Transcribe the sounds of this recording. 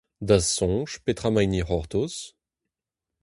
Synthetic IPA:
d̪asːɔ̃ʃpet̪χamajniʁɔʁt̪os

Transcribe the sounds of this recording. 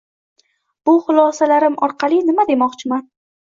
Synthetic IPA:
b̥ʊχʊlˠɒsalaɾɪmɒɾqʰɑlˠɪnɪmad̪e̞mɒqt͡ʃʰɪman

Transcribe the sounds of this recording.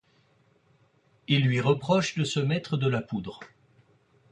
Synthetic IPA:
ilːɥiʁəpχɔʃd̪əsəmɛt̪χəd̪əlapud̪ʁ

